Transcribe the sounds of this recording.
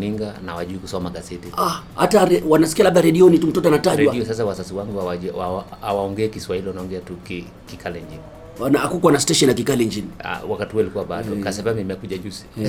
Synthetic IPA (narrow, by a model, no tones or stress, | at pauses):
niŋɡanawaʄuikusɔmaɡazɛtiaha̰taɾɛwanasi̥kialaɓɗaɾɛɗiɔnitum̩tɔt̬ɔanataʄɾwaiɔsas̬awasasiwaŋɡuawaaawaɔŋɡɛːkiswahilianaɔŋɡɛatuki | kikʰalɛɲd͡ʒini | anaakukwanastɛʃɔnjak̬ikalɛɲd͡ʒinia̰wakatihualikuwaɓadɔkasɛvamimɛkuʄaʄuzi̥